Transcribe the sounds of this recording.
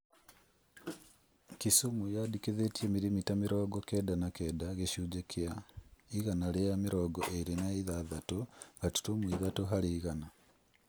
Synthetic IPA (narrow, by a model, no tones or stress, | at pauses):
kisumujadikeðetiemiɾimitamiɾɔːɡɔkɛːdanakɛdaɣeʃuːd͡ʒekʰeaiɣanaɾejamiɾɔːɡɔʔeɾenaiðaðatoɡatu̥tomwiðatoɦaɾeiɣana